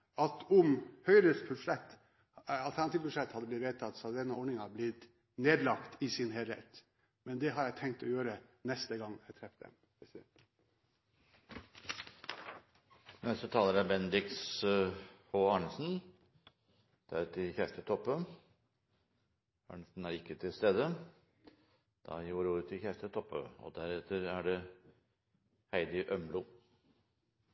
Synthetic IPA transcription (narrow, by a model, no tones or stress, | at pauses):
ʔɑt̪ɔmhœʏɾəspʰʉʂɛt̪ː | ɑlt̪ʰænɑt̪iːʋpʰʉʂɛt̪ːhɑd̪ːəblɪt̪ʋeːt̪ʰɑt̪sɑd̪ɛnːəɔɖɳɪŋɑblɪt̪ | neːd̪lɑkt̪ɪsɪnɦɛlɛ̰t̪ː | mɛnd̪ɛɦɑɾjæɪt̪ʰɛŋk̚t̪ɔjøːɾənɛst̪əɡɑŋːæɪt̪ʰɾɛfd̪ɛ̰m | psɛ | nɛsɔt̪ʰɑːləɾæbɛnd̪ɪks | hoɑːɳəsn̩ | d̪̥æɾt̪ʰɪçæːʂʈət̪ʰɔpːə | ɑ̰ːɳəsn̩æɾɪkːət̪ʰɪlst̪eːd̪ə | d̪̥ɑ̰juːɾuːɾət̪ʰɪçæːʂʈ̪ət̪ʰɔpːə̰ɔ̰d̪æɾɛt̪ʰːəɾæɖɛ | hæɪd̪ɪʔœmlʊ